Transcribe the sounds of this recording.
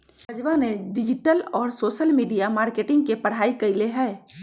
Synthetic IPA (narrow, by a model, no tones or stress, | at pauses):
ɐd͡ʒʋaneɖɪd͡ʒɪʈəlɔːɾsoːʃəlmiːɖijamaːɾkeːʈɪ̃ŋɡ̚kepɐɽ̤aːikɐɪleɦɛː